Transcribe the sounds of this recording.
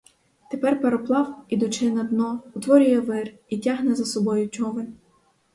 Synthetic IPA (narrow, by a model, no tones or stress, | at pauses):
t̪epɛrpeɾɔplˠɑwid̪ʊt͡ʃɪnɐd̪nɔʊt̪ʋɔɾʲʊjɛʋɪr | itʲaɦnɛzɐsɔbɔjʊt͡ʃʲɔʋɪlʲ